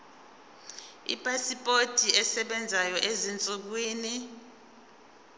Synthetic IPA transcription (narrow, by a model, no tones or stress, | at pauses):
ḭpʼasipʼotʼiɛsɛɓɛnd͡zʱajɔʔezint͡sʼuk̬wiːni